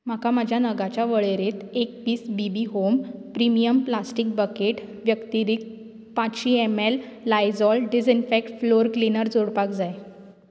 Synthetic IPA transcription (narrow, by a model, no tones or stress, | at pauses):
m̤akamad͡ʑʱjanəɡat͡ɕjaʋəɭeɾet̪ek̚piːsbibiɦompɾimijəmplasʈik̚bəkeʈʋjəkt̪iɾik̚ | pãt͡sɕiːemelːajd͡zɔlɖid͡zinfɛk̚ʈfloɾklinəɾd͡zoɽpakd͡zaj